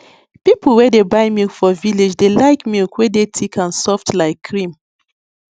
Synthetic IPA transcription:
pipʰl̩wɛdebaɪmilkfɔviled͡ʒdelaɪkmilkwɛdetʰikʰãnsɔftlaɪkʰːɹĩm

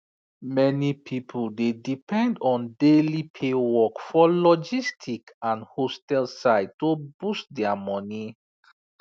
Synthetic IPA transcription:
mɛnipʰipʰoldedipʰɛ̃ndɔ̃ndelipʰewɔkfɔlɔd͡ʒistʰik | ãnhostɛlsaɪobustdɛamɔni

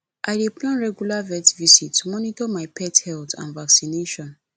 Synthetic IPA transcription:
ʔaɪdeplãnɹɛɡjulavɛtvisitːumɔnitɔmaɪpʰɛthɛltã̰nvaksineʃɔ̃n

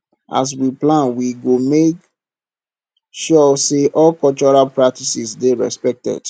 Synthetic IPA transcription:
a̰s̬wiplãnwiɡomek | ʃɔseʔɔlkɔlt͡ʃɔɹalpɹak̚tisisdeɹɛ̰spɛk̚tɛ̰d̥

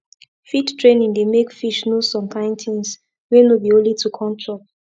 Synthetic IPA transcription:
fittʰɹẽnĩŋdemekfiʃnosɔ̃mkʰãɪ̃ntʰĩns | wenobiõlitukʰɔ̃ntʰɹɔ

